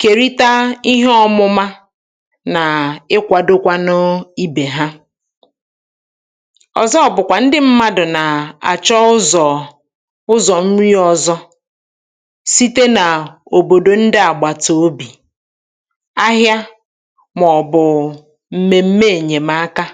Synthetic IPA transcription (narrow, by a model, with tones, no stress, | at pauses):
ke˨ɾi˦ta˦i˦ɦe˦ɔ˦mʊ˦ma˦ | na˨ɪ˦kʷa˨do˦kʷa˦nʊ˦i˦be˨ɦa˦ | ɔ̰˨zɔ˦ɔ˨bʊ˨kʷa˨n̩˦dɪ˦m̩˦ma˦dʊ˨na˨a̰˨t͡ʃɔ˦ʊ˦zɔ˨ | ʊ˦zɔ˨m̩˦ɾi˦ɔ˨zɔ˦ | si˦te˦na˨o˨bo˨do˨n̩˦dɪ˦a˨ɡ͡ba˨to˦o˦bi˨ | a˦ɦja˦ | mɔ˨bʊ˨ | m̩˦me˨m̩˦me˦e˨ɲe˨ma˦a˦ka˦